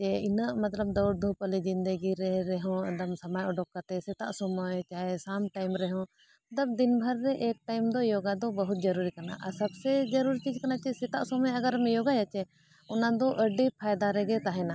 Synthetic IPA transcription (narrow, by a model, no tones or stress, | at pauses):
t͡ʃɛinəʔmat̪ləb̚d̪ɔwɾ̚d̪ʱupəlid͡ʒind̪əɡiɾɛɾɛɦɔ̰̃d̪amsamajɔɖɔk̚kːat̪ɛsɛt̪a̰ʔsɔmɔjt͡ʃaɦɛsamʈajmɾɛɦɔ̃ | d̪ab̚d̪inbʱəɾːɛʔɛk̚ʈajmd̪ɔjɔɡad̪ɔbəɦut̪̚d͡ʒəɾuɾikana̰ʔasɐbsɛd͡ʒəɾuɾit͡ʃid͡ʒkanat͡ʃɛsɛt̪aʔsɔmajaɡaɾmɛjɔɡajat͡ʃɛ | ɔnad̪ɔʔəɖipʰajd̪aɾɛɡɛt̪aɦɛna